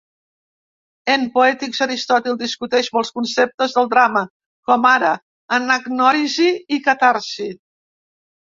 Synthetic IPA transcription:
empuɛt̪ikzəɾist̪ɔt̪ilˠd̪iskut̪ɛʃməlˠskunsep̚t̪əzðəlˠd̪ɾamə | kɔmaɾəː | nəɡnɔɾiziːkət̪aɾsi

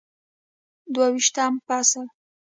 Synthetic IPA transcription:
d̪wawiʃt̪ampasa

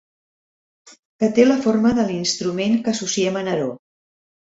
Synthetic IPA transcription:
kət̪eləforməðəlinst̪ɾumeŋkəsusiɛmənəɾo

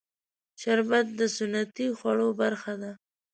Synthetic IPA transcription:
ʃaɾbat̪̚d̪əsʊnːat̪ixwaɽobaɾxad̪a

